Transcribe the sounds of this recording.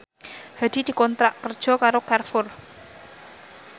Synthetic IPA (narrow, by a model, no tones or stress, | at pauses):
had̪̥i̤d̪̥i̤kɔnt̪ɾaʔkərd̥ʒ̥ɔ̤kaɾokarfʊr